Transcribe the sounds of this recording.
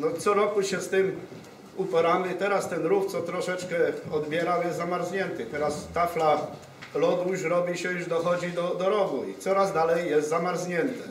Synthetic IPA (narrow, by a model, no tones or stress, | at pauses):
nɔt̪sɔɾɔkuɕɛst̪ɘm | upɔɾamɘt̪ɛɾast̪ɛnɾuxt̪sɔt̪ɾɔʂɛt͡ʂkɛɔd̪bʲjɛɾawjɛst̪zamaɾzɲɛnt̪ɘt̪ɛɾast̪afla | lɔd̪wuɕɾɔbʲiɕɛjuʐd̪ɔxɔd͡ʑid̪ɔd̪ɔɾɔɡuḭt̪sɔɾazd̪alɛjːɛst̪zamaɾzɲɛnt̪ɛ